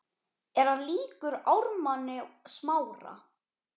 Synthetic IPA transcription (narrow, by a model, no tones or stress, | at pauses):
ɛɾ̥hanliːkʏɾawɾmanːɪsmaːwɾa̰